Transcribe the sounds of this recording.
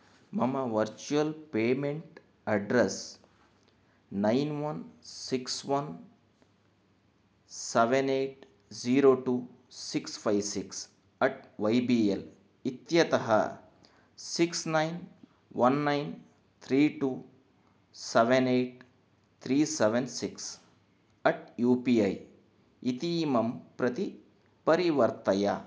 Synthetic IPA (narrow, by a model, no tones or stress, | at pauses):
mɐmɐʋɐɾt͡ʃuɐlpeːmeɳʈ | ɐɖɾes | najnʋɐnsiksʋɐn | seʋeneːʈ | d͡ʒiːɾoːʈuːsikspʰajʋsiks | ɐʈ̚ʋɐjbiːel | it̪jɐt̪ɐɦɐ̰ | siksnɐjn | ʋɐnːajn | t̪ʰɾiːʈuː | seʋeneːʈ | t̪ʰɾiːseʋensiks | ɐʈ̚juːpiɐj | it̪iːmɐmpɾɐt̪i | pɐɾiʋɐɾt̪ɐja̰